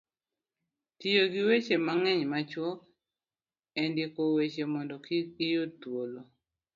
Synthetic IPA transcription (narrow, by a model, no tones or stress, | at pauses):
tijoɡɪwet͡ʃemaŋɛɲmat͡ʃwɔk | ɛndɪkowet͡ʃemɔndɔkikɪjotwolo